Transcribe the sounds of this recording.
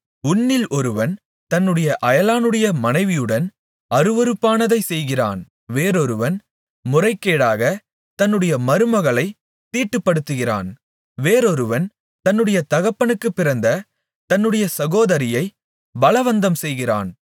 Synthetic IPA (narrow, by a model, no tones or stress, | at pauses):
ʊnːɪlɔɾɯʋɐn | t̪ɐnːɯɽɐjɐʔɐjɐlaːnɯɽɐjɐmɐnɐɪʋɪjɯɽɐn | ɐɾɯʋɐɾɯpːaːnɐðɐɪsɛjɣɪra̰ːn | ʋeːɾɔɾɯʋɐn | mʊrɐɪkːeːɽaːɣɐ | t̪ɐnːɯɽɐjɐmɐɾɯmɐɣɐɭɐɪ | t̪ːiːʈːɯpːɐɽɯt̪ːɯɣɪra̰ːn | ʋeːɾɔɾɯʋɐn | t̪ɐnːɯɽɐjɐt̪ɐɣɐpːɐnɯkːɯpːɪɾɐnd̪ɐ | t̪ɐnːɯɽɐjɐsɐɣoːðɐɾɪjɐɪ | bɐɭɐʋɐnd̪ɐmsɛjɣɪra̰ːn